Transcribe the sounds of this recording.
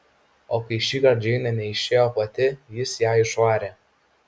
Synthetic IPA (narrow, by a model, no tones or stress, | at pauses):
oːkɐɪʃʲiːkɐɾd͡ʒʲɛɪnʲɐnʲɛɪʃʲeːjoːpɐt̪ʲɪjɪsjæːɪʃʋɑːɾʲeː